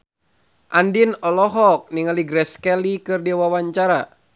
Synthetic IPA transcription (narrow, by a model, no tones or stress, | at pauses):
ʔandinɔlɔɦɔk̚niŋaliɡɾɛskɛlikɨrdiwawaɲt͡ʃaɾa